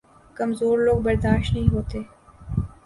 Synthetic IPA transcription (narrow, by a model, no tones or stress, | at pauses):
kɐmzoːɾloːɡ̚bɐɾd̪aːʃtnɐɦĩɦoːt̪eː